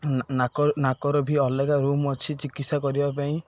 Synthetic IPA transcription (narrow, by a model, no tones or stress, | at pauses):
nakɔnakɔɾɔbʱiɔlekaɾumɔt͡ʃʰit͡ʃikit̪sakɔɾibapaĩ